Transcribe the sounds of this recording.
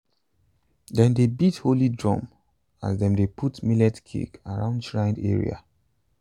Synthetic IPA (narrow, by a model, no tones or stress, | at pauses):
dɛ̃ndebitholidɹɔ̰̃m | a̰zdɛ̃mdepʰutmilɛtkʰḭkaɹã̰ʊ̃ndʃɹãɪ̃ndɛ̰ɹḭa̰